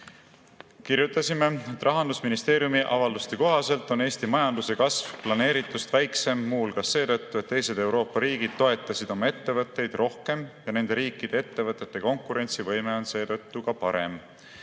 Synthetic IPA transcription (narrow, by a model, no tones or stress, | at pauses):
kiɾjut̪ːˑɑsime̞et̪ːˑrɑɦɑnd̪̥usminist̪e̞ːɾjumiʔɑvɑld̪ust̪eko̞ɦɑse̞lt̪ːˑo̞ne̞ːsʲt̪imɑjɑnd̪̥use̞kɑsvplɑne̞ːɾit̪ːˑust̪væjkse̞mːuːlkɑse̞ːt̪ɤt̪ːue̞t̪ːe̞jse̞d̪̥e̞wɾo̞ːpːɑɾiːɡid̪̥̚t̪o̞e̞t̪ːˑɑsid̪̥o̞mɑe̞t̪ːe̞vɤt̪ˑːe̞jd̪̥ro̞hke̞mjɑne̞nd̪̥e̞ɾiːkːˑid̪̥e̞et̪ːe̞vɤt̪ːˑe̞t̪ːe̞ko̞ŋkːˑuɾe̞nʲt̪sivɤ̞jme̞o̞nse̞ːt̪ɤ̞t̪ːukɑpɑɾe̞̰m